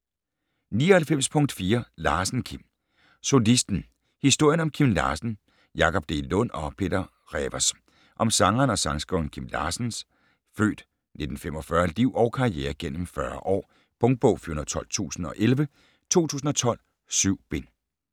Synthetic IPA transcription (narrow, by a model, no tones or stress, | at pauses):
nḭːɒhælfem̰spʰɔ̽ŋd̥fiːɐlɑ̈ːsn̩kʰim | so̝lisd̥n̩ | hisd̥o̝ɐ̰jənɒ̽mkʰimlɑ̰̈ːsn̩ | jɑ̈kʰɒ̽b̥̚d̥e̝lɔ̽n̰ɒ̽pʰe̝̰ːd̥ɐ | ʁɛʋɐs | ʔɒ̽msɑ̈ŋɐːnɒ̽sɑ̈ŋsɡ̥ɔnkʰim̰lɑ̰̈ːsn̩s | fø̰ːd̥ | ne̝d̥n̩fem̰ɒ̽fɶɐldiʊ̰ʔɒʊkʰɑ̈ieːɐɡ̥en̰m̩fɶɐ̰ʔɒ̰ː | b̥ɔ̽ŋd̥̚b̥ɔʊ̰fyɐonð̩ˠt͡sʰɒ̽l̰t͡sʰṵːsn̩ɒ̽ʔelʋə | t͡sʰo̝̰ːt͡sʰṵːs̬n̩ɒ̽t͡sʰɒ̽l̰ | syʊ̰b̥en